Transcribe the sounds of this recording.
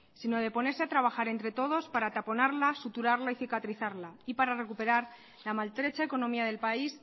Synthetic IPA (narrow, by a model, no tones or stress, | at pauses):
sinoðe̞po̞ne̞ɾse̞at̪ɾaβ̞axaɾe̞nt̪ɾe̞t̪o̞ð̞o̞spaɾat̪apo̞naɾlasut̪uɾaɾlaiθikat̪ɾiθaɾlaipaɾare̞kupe̞ɾaɾ | lamalt̪ɾe̞t͡ʃaeko̞no̞miaðe̞lpais